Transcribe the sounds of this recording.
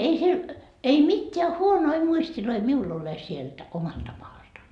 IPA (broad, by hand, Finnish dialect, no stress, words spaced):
ei siel ei mitːeæ huonoi muistiloi miul ole sielt omɑltɑ mɑːltɑ